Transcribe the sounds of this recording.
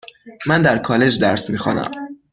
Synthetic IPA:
mænd̪æɾkʰɒːle̞d͡ʒd̪æɾsmiːxɑ̰næ̰m

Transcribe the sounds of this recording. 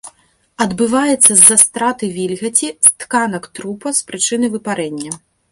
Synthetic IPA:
ɐd̪bɨvajɛt̪sːɐzːast̪ɾat̪ɨvʲilʲɣɐt͡sʲist̪kanɐkt̪ɾupɐspɾɨt͡ʂɨnɨjvɨpaɾɛnʲːɐ

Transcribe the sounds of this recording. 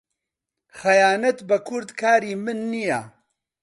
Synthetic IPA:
xɐjaːnɐt̪bɐkʰʊɾd̪kʰaːɾiːmɨnːija̰

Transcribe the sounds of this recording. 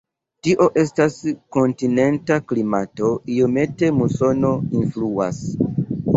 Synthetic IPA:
tiʔo̞ʔe̞stasko̞ntine̞ntaklimato̞ijo̞me̞te̞muso̞no̞influa̰s

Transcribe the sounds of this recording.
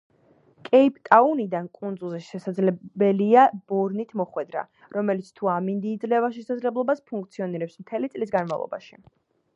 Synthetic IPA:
kʼɛipʼt̪ʼaunid̪ankʼund̪zulˠziʃɛsad̪zlɛbɛliab̥ɔɾnit̪ʰmɔχwɛd̪ɾa̰ | ɾɔmɛlit̪sʰt̪ʰuamind̪iːd̪zlɛvaʃɛsad̪zlɛblˠɔbaspʰuŋkʰʼt̪sʰiɔniɾɛpsmt̪ʰɛlit̪sʼlis̬ɡanmavlˠɔ̰ba̰ʃi

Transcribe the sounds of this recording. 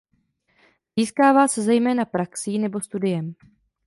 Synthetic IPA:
ziːskaːvaːsɛzɛjmɛːnapɾaksiːnɛbo̞st̪udɪjɛm

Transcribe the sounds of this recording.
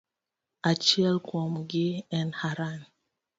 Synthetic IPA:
at͡ʃɛlkʰɔmɡiɛ̃nhaɾan

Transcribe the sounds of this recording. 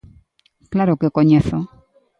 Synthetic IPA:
klaɾokekoɲeθo

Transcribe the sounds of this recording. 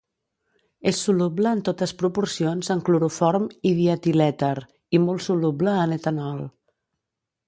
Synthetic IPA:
esːulubləːnt̪ot̪əspɾupuɾsionzəŋkluɾufɔɾmiðiət̪ilɛt̪əɾ | imolˠsulubləːnet̪ənɔl

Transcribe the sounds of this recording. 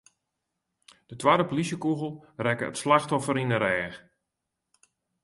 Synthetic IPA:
d̥ətwadəpolisjəkuɣəlˠrɛkə̰ə̰tslaxtɔfəɾinəɾɛːx

